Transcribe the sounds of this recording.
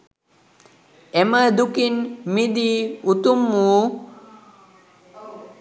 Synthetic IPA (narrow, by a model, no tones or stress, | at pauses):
ɛməd̪ukinmid̪iut̪umːuː